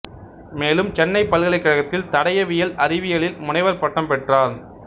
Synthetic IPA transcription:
meːlɯmt͡ʃɛnːɐɪpːɐlɣɐɭɐɪkːɐɻɐɣɐt̪ːɪlt̪ɐɽɐjɐʋɪjɐlɐɾɪʋɪjɐɭɪlmʊnɐɪʋɐɾpɐʈːɐmpɛʈraːn

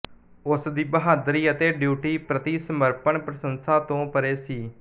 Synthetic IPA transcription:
ʊsd̪iːbəɦaːd̪ɾiːət̪eːɖjuːʈiːpɾət̪iːsəməɾpəɳpɾəsənsaːt̪õːpəɾeːsiː

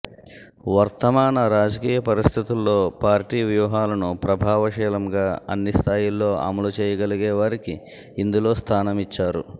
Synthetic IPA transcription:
ʋɐɾt̪ɐmaːnɐɾaːd͡ʒɐkiːjɐpɐɾist̪ʰit̪ulːo̞ːpaːɾʈiːʋjuːɦaːlɐnupɾɐbʱaːʋɐʃɛːlɐmɡaːɐ̰nːist̪ʰaːjilːo̞ːɐ̰mɐlut͡ʃɛːjɐɡɐliɡɛːʋaːɾikiː | nd̪ulo̞ːst̪ʰaːnɐmit͡ʃːaːɾṵ

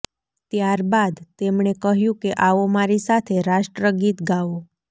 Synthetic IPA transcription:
t̪jaɾbad̪t̪emɳekəɦjũkeʔaʋomaɾisat̪ʰeɾaʃʈɾəɡit̪ɡaʋo

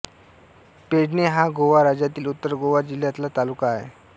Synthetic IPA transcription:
peɽneɦaɡoʋaɾad͡ʑjat̪iːlut̪ːəɾɡoʋad͡ʑil̤jat̪lat̪alukaːɦḛ

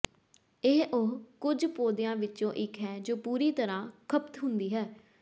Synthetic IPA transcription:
ɪɦʔʊɦkʊd͡ʒpoːd̪ɪjãːʋɪtːt͡ʃõːʔɪkʰɦɛːd͡ʒoːpuːɾiːt̪əɾãːkʰəpt̪ɦʊnd̪iːɦɛː

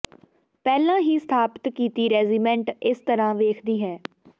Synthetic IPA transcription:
pɛːlãːɦiːst̪ʰaːpə̥t̪kiːt̪iːɾɛːziːmɛ̃ːɳʈɪst̪əɾãːʋeːkʰd̪iːɦɛː

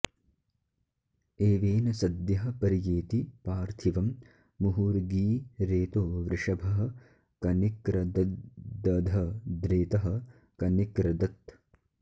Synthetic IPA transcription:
eːʋeːnɐsɐd̪jɐɦɐ̆pɐɾjeːt̪ipaːɾt̪ʰiʋɐmː | uɦuːɾɡiːɾeːt̪oːʋɾɪʂɐbʱɐɦɐ̆ | kɐnikɾɐd̪d̪ɐd̪ʱɐd̪ɾeːt̪ɐɦɐ̆ | kɐnikɾɐd̪ɐt̪

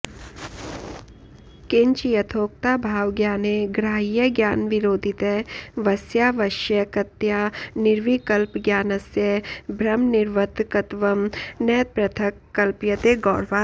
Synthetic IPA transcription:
kɪɲt͡ʃjɐt̪ʰoːk̚t̪aːbʱaːʋɡjaːneɡɾaːijəɡjaːnʋɪɾoːd̪ʱɪt̪eʋɐsjaːʋɐʃjɐkɐt̪jaːnɪɾʋikɐlpɡjaːnɐsjɐbʱɾɐmnɪɾʋət̪kɐt̪ʋɐmnɛːt̪̚pɾɐt̪ʰɐkːɐlpjɐt̪eːɡɔːɾʋaː

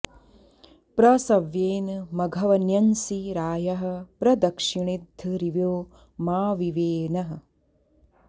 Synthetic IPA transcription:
pɾɐsɐʋjeːnmɐɡʱɐʋɐnjɐnsiɾaːjɐɦɐ̆pɾɐd̪ɐkʂiɳid̪ʱɨɾiʋjoː | maːʋiʋeːnɐɦɐ̆

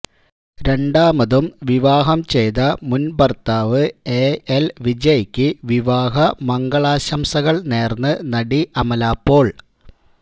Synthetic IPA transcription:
ɾe̞ɳɖaːmɐðumʋiʋaːɦɐmt͡ɕe̞jðɐmunbɐrt̪aːʋɨeːelʋid͡ʑɐjkʲːɨʋiʋaːɦɐmɐŋɡɐɭaːɕɐmsɐɣɐɭne̞ːrnːɨnɐɽiʔɐmɐlaːpːo̞ːɭ

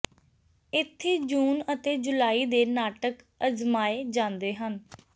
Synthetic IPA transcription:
ɪt̪ʰːeːd͡ʒuːnət̪eːd͡ʒʊlaːiːd̪eːnaːʈək | əzmaːeːd͡ʒãːnd̪eːɦən

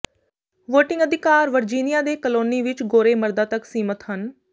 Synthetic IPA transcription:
ʋoːʈɪ̃ŋɡəd̪ʱɪkaːɾʋəɾd͡ʒiːnɪjaːd̪eːkəloːniːʋɪt͡ʃɡoːɾeːməɾd̪aːt̪əksiːmət̪ɦən

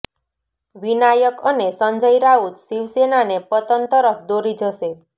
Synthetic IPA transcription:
ʋinajəkənesəɲd͡ʒəjɾaut̪ʃiʋsenanepət̪ənt̪əɾəpʰd̪oɾid͡ʒʱəʃe

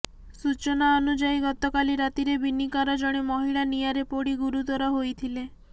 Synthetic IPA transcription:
sut͡ʃonaɔnud͡ʒajɡɔt̪ɔkaliɾat̪iɾebinikɔɾad͡ʒɔɽ̃emɔɦiɭanijaɾepoɽiɡuɾut̪ɔɾɔɦojt̪ʰile

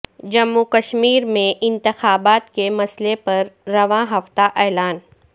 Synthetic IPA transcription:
d͡ʒɐmːukɐʃmiːɾmẽʔɪ̃nt̪ɪxaːbaːt̪kemɐslepɐɾːɐʋãɦɐft̪aʔɛːlaːn

